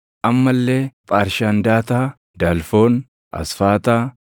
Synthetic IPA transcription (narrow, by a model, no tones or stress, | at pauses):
ʔɐmːɐlːe̞ːpʼaːɾʃaːnd̪aːt̪aː | d̪aːlfo̞ːn | ʔɐ̰sfaːt̪aː